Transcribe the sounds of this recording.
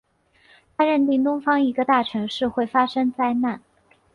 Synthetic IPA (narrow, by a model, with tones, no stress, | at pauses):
t̪ʰa˥ɻə˥˧nt̪i˥˩ŋt̪ʊ˥ŋfɑ˥ŋi˧˥ɡə˧t̪a˥˩ʈ͡ʂʰɤ˧˥ŋʂɻ̩˥˧xwe˥˩ɪfa˥ʂɤ˥ŋt͡sa˥˧ɪna˥˩n